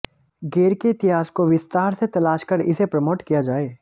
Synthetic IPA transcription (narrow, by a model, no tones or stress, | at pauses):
ɡeːɾkeɪt̪ɪɦaːskoʋɪst̪aːɾset̪ɐlaːʃkɐɾɪ̰sepɾɐmoːʈkijad͡ʒaːeː